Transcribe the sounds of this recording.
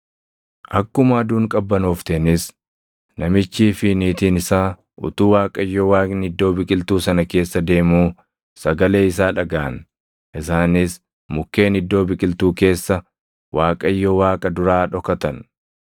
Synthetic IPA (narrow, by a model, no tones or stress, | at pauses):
ʔɐkːʊmaːd̪uːŋkʼɐbːɐnoːft̪enɪs | nɐmɪt͡ʃːiːfɪniːt̪iːnɪsaː | ʔʊ̰t̪uːwaːkʼɐjːowaːnɪd̪ːo̞ːbɪkʼɪlt̪uːsɐnɐke̞ːsːɐd̪e̞ːmuː | sɐɡɐle̞ːɪs̬aːᶑɐɡaːɐn | ʔɪsaːnɪs | mʊkːe̞ːnɪd̪ːo̞ːbɪkʼɪlt̪uːke̞ːsːɐ | waːkʼɐɪjːowaːkʼɐd̪ʊɾaːᶑɔkɐt̪ɐn